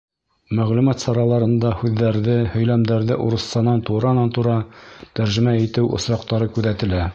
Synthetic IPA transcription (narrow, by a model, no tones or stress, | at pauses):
mæʁlumɑt̪sɑɾɑlˠɑɾɤ̆nd̪ɑhʉðːæɾðɘhɵ̆jlæmd̪æɾðɘʔuɾɤ̆st̪ɑnɑnt̪uɾɑnɑnt̪uɾɑt̪æɾʒɘ̆mæit̪ɘwʔŏ̰sɾɑq̚t̪ɑɾɤkʉðæt̪ɘ̆læ